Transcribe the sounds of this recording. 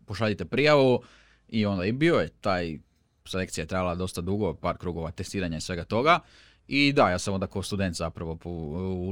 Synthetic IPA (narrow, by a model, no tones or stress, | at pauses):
poʃaʎit̪e̞pɾijaʋu | io̞nd̪ajibiojet̪aːj | sele̞k̪ijajet̪ɾajalad̪o̞st̪ad̪uɡo̞paːɾkɾuːɡo̞ʋat̪e̞st̪iːɾaɲaisʋe̞ɡat̪o̞ɡa | id̪ajaːsamo̞nd̪akaost̪ud̪e̞nt̪zapɾaʋo̞pou